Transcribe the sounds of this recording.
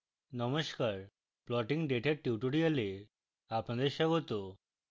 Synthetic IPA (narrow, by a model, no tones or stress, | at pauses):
nəməskaɾ | plɔʈiŋɡɖeʈʰeʈːiʈuɽijəle | apənd̪eɕəɡot̪o